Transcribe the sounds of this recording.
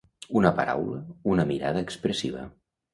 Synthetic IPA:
unəpəɾa̰wləunəmiɾa̰ðəːkspɾəsiβ̞ə̰

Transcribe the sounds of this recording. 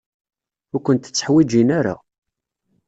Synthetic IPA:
ʊɾkʷːənt̪ət͡sːəħwid͡ʒinaɾa̰

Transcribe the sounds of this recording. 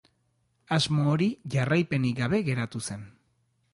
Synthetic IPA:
azmoːɾiʝarajpe̞niɡaβe̞ɣe̞ɾat̪use̞n

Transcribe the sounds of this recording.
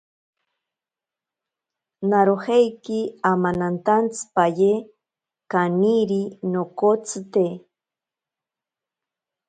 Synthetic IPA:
naɾohejkiamanant̪ant͡sɨ̥paje | kaniɾinokot͡sɨt̪e

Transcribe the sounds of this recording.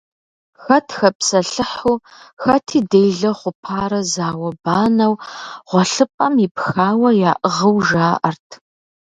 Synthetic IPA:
xɐtʰxɐpsɐɬɨħuː | xɐtʰiːdejɮɐχʷʊpʰaːɾɐzaːwɐbaːnɐwʁʷɔɬɨpʼɐmipxaːwɐjaːʔəʁɐwʒaːʔɐrtʰ

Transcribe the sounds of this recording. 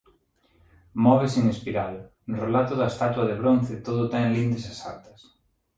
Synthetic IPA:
mɔβesiŋespiɾaðʊ | relat̪ʊðɐest̪at̪wɐðeβɾon̟θɪt̪oðʊt̪ɛŋlind̪esasaɾt̪ɐ̥s

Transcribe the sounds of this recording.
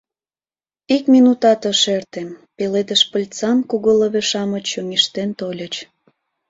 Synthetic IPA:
ikmʲinut̪ɑt̪ə̆ʃert̪empeled̪əʃpəlʲt͡sɑnkuɣoləβeʃɑmə̆t͡ɕoŋiʃt̪ent̪olʲət͡ɕ

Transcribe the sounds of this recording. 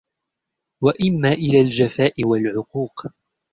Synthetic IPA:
waʔɪmːaːʔɪlaːld͡ʒafaːʔɪwalʕʊquːq

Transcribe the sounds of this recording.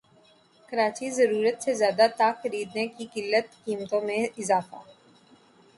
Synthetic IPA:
kɐɾaːt͡ʃizɐɾuːɾət̪sezjaːd̪at̪aːxɐɾiːd̪nekikɪlːət̪kiːmət̪õmẽɪzaːfa̰

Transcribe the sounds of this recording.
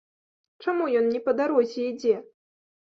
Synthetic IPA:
t͡ʂamujɔnːʲɛpɐd̪aɾɔzʲɛid͡zʲɛ

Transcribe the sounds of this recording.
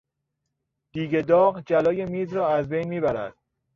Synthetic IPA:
d̪̥iːɡed̪ɒːɣd͡ʒælɒːjemiːzɾɒːæzbejnmiːbæɾæ̰d̪̥

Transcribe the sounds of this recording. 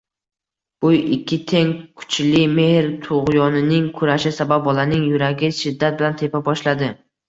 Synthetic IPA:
b̥ʊjɪkʲʰːɪt̪ʰeŋkʰʊ̥t͡ʃlɪme̞hɾt̪ʰʊʁjɒnɪnɪŋkʰʊɾaʃɪsabap̚bɒlanɪŋjʊɾaɡʲɪʃɪd̪ːat̪̚bɪlant̪ʰe̞pabɒʃlad̪ɪ

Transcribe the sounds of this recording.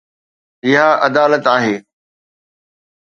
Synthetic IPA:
ɪɦaʔɐd̪aːlət̪aːɦeː

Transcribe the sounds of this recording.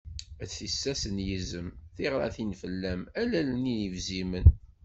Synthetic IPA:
æisːæsənjəzəmθiʁɾˤɑ̰θinfəlːæmælæləninivzimən

